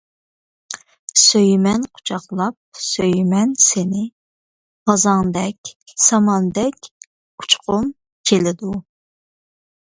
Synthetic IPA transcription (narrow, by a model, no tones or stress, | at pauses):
søjmɛnqʰʊ̥t͡ʃʰɑχlˠɑp̚søjmɛnsenɪ | ʁ̥ɑzɑŋd̪ɛkʲsɑmɑnd̪ɛkʲ | u̥t͡ʃqʰʊm | t͡ʃʲʰelɪd̪u